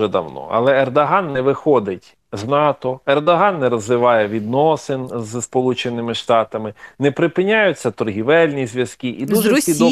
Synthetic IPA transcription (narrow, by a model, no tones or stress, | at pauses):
ɛd̪ɐ̰wnɔ̰ɐ̰lˠɛːrd̪ɐɦɑnːɛʋɪxɔd̪ɪtʲ | znɑt̪ɔɛrd̪ɔɦɑnːɛɾɐzʋɪʋɑjɛʋʲid̪nɔsɪnzspɔlˠut͡ʃenɪmɪʃt̪ɑt̪ɐmɪnɛpɾɪpɪnʲajʊt͡sʲːɐt̪ɔrɦʲiʋɛlʲnʲizʋjɐskʲiʔid̪uʒɛid̪ɔ